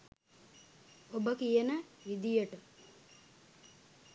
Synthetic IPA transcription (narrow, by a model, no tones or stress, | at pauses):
obəkijənəʋid̪ijəʈə